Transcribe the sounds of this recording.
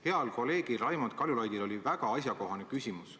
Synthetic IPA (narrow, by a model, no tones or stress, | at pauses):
he̞ɑlkole̞ːɡ̥irɑjmond̪̚kɑljulɑjd̪ilo̞livæɡ̥ɑɑs̬ʲjɑko̞ɦɑnekysʲimus